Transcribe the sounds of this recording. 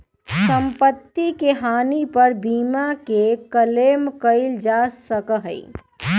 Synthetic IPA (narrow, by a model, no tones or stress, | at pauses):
sə̃mpət̪ːikeɦaːnipəɾbiːmakekəleːmkəɪld͡ʒasəkəɦəḭ